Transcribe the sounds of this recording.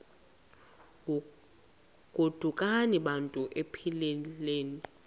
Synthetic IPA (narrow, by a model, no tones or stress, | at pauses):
ɡ̥ʱod̥ʱukʼaniɓantʼuʔepʰileleːni